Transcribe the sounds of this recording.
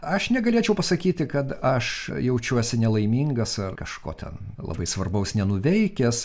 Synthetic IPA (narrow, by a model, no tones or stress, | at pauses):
ɐʃnʲɛɡɐlʲiːt͡ʃʲɛʊpɐsɐkʲiːt̪ʲɪkɐt̪ɐʃjɛʊt͡ʃʲuɔsʲɪnʲɛlˠɐɪmʲiːŋɡɐsɐrkɐʃko̰ːt̪ʲɛ̰n | lˠɐ̰bɐɪsʋɐrbɐʊsnʲɛnʊʋʲɛɪkʲɛs